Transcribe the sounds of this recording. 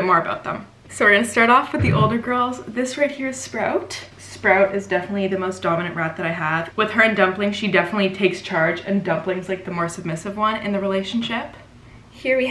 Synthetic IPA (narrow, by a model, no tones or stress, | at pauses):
mɔɹəba̰ʊt̪̚ðə̰̃m | soʊɨstɑɹɾɔfwɨðiʔoʊlˠdə˞ɡɜ˞lˠzðɪsɹeɪt̚hiɹɨz̥spɹaʊt | spɹaʊɾɨzdɛfənətˡliðɨmoʊsd̥ɑməñɨ̃nʔɹæt̪̚ðɨɾaɪəv̥wɨð̥ə˞ɨ̃ndʌ̃mplɪ̃ŋʃidɛfənətˡlitʰeɪkst͡ʃʰɑɹd͡ʒɨ̰̃ndʌ̃mplɪ̃ŋzlaɪk̚ðəmɔɹsɨb̚mɪsɨvwʌ̃nɨ̰̃nðɨɹileɪʃn̩ʃɪp | hiɹwi